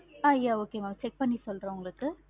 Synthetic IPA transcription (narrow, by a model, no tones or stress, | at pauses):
aːɪjaːoːkemaːmt͡ʃɛk̚pɐɳːisɔlɾõːʊŋɡɐɭɯkːɯ